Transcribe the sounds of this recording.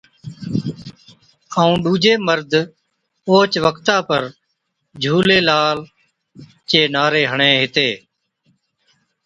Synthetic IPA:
əũːɗuːd͡ʒeːməɾd̪ʱ | oːt͡ʃʋəkʰt̪aːpəɾ | d͡ʒʱuːleːlaːl | t͡ʃeːnaːɾeːɦəɳẽːɦɪt̪eː

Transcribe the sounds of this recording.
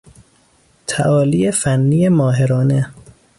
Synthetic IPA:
t̪ʰæʔɒːliːjefænːijemɒːɦeɾɒːne

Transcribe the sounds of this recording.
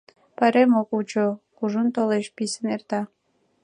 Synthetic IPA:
pɑɾemokult͡ʃokuʒunt̪oleʃpisənert̪ɑ

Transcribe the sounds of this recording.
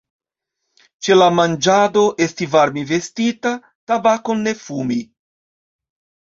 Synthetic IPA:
t͡ʃelamand͡ʒad̪o̞ʔestivaɾmivestita | tabakonːefumi

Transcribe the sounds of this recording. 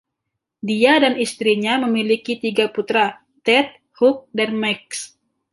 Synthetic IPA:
diadanist̪ɾiɲaməmilikit̪iɡaput̪ɾa | t̪ɛt̪̚ | huk̚danmɛks

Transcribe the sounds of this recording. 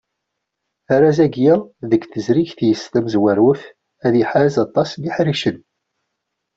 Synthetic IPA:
aɾæzæɡjæðəɡθəzɾiçθjəst̪æmzwæɾwəf | æðiħazɑt̪ˤːɑsliħɾiʃən

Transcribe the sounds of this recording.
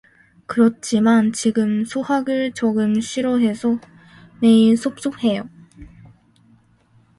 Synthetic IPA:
kɯɾʌt̚t͡ɕ͈imant͡ɕiɡɯmsʰuhaɡɯɭt͡ɕoɡɯmɕʰiɾoɦe̞sʰʌ | ne̞isʰop̚s͈op̚he̞jo

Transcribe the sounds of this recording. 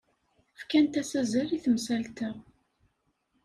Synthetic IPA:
fkænt̪æsæzæɾiθəmsælt̪ə

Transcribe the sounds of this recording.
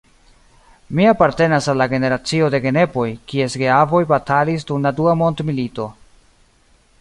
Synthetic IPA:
miapaɾte̞nasalːaɡe̞ne̞ɾat͡sio̞de̞ɡe̞ne̞po̞jkie̞sɡeavo̞jbatalis̬dunladuamo̞ndmilito̞

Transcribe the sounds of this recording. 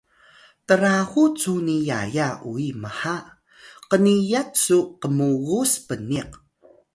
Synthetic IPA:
təɾaɣut͡sunija̰jauiməħa | qənijatsuqəmuɣuspəniq

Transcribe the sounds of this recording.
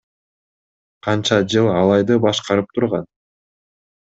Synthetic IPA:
qʰɑnt͡ʃɑd͡ʒɯlˠɑlˠɑjd̪ɯbɑʃqɑɾɯp̚t̪ʰuɾʁɑ̰n

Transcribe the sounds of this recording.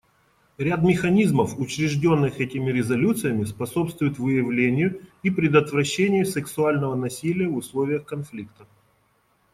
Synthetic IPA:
ɾʲad̪mʲɪxɐnʲizməfʊt͡ɕɾʲɪʐdʲo̞nːɨxɛtʲɪmʲɪɾʲɪzɐlʲut̪sɨjəmʲɪspɐso̞pst̪vʊjʊt̪vɨjɪvlʲenʲɪjʊipɾʲɪd̪ət̪vɾɐɕːenʲɪjʊsɨksʊalʲnəvənɐsʲilʲɪjəvʊslˠovʲɪjəxkɐnflʲikt̪ə

